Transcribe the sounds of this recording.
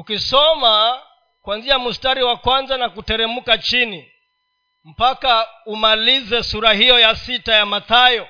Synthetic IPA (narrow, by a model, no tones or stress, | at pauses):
ukisɔma | kwanziamustaɾiwakwanzanakutɛɾɛmukat͡ʃini | m̩pakaumalizɛsuɾahijɔjasitajamaθajɔ